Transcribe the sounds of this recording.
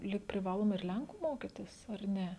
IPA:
lʲiːk pʲrʲɪˈʋɑːlˠoːmɐ ɪr ˈlʲɛŋkʊ ˈmoːkʲɪtʲɪs ɐr ˈnʲɛ

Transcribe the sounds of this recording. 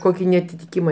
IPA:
ˈkoːkʲɪ nʲɛɐtʲɪtʲɪˈkʲɪmɐ

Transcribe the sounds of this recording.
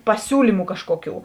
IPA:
pɐˈsʲuːlʲiːmʊ ˈkɑːʃkuɔˌkʲuː

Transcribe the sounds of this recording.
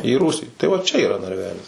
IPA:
iː ˈruːsʲiː tɐɪ ʋɐ t͡ʃʲɛ iːˈrɐ nɐrʲˈʋʲæːlʲɪs

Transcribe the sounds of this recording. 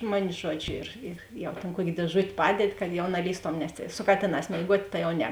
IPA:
ˈmʊnʲɪ ˈʒuɔd͡ʒʲʊ ɪr ɪr ˈjɛʊ tʲeːn ˈkuɔkʲeː dʲeːˈʒʊtʲ ˈpɑːdʲɛdʲɪ kɐt jɛʊ nɐˈlʲiːstoːm nʲɛs tʲeːɪ sʊ ˈkɑːtʲeːˌnɑːs mʲeːɪˈɡuɔtʲ ˈtɐ jɛʊ ˈnʲɛ

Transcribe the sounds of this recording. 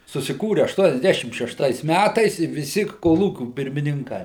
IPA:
sʊsʲɪˈkuːrʲɪ ɐʃtuɔnʲɛzʲˈdʲæʃʲɪm ʃʲɛʃˈtɐɪs ˈmʲætɐɪs ɪ ʋʲɪˈsʲɪ koːˈlˠuːkʲuː pʲɪrʲmʲɪnʲɪŋˈkɐɪ

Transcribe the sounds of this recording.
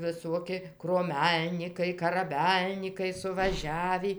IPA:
ʋʲɪˈsuɔkʲɪ kruɔˈmʲɛlʲnʲiːkɐɪ kɐrɐˈbʲɛlʲnʲiːkɐɪ sʊʋɐˈʒʲæːʋʲiː

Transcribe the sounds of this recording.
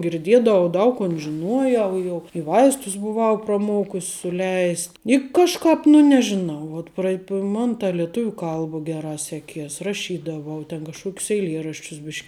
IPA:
ɡʲɪrʲˈdʲiɛdɐʋɐʊ ˈdɐʊk koːn ʒʲɪˈnuɔˌjɛʊ ˈjɛʊ ɪ ˈʋɐɪstʊs bʊˈʋɐʊ prɐˈmoːkʊsʲ sʊˈlʲɛɪsʲ ɪ kɐʃˈkɑːp nʊ nʲɛʒʲɪˈnɐʊ ˈʋuɔt prɐɪ ˈmɐn tɐ lʲiɛˈtʊʋʲʊ ˈkɐlˠbɐ ˈɡʲæːˌrɑː ˈsʲæːˌkʲiɛs rɐˈʃʲiːdɐʋɐʊ tʲɛn kɐʃˈkuɔkʲʊs ɛɪˈlʲiɛrɐʃʲt͡ʃʲʊs ˈbʲɪʃʲk

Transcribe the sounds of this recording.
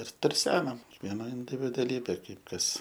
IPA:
ɪr tʊrʲˈsʲæːnɐm kʲiɛkˈʋʲiɛnɐ ɪnʲdʲɪʋʲɪdʊɐˈlʲiːbʲeː ˈkɐɪp ˈkɐs

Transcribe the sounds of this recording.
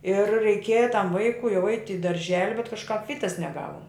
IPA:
ɪr rʲɛɪˈkʲeːjɛ tɐm ˈʋɐɪkʊɪ jɛʊ ɛɪtʲ ɪ dɐrʲˈʒʲæːlʲɪ bʲɛt kɐʃˈkɐp ˈʋʲiːtɐs nʲɛˈɡɑːʋʊm

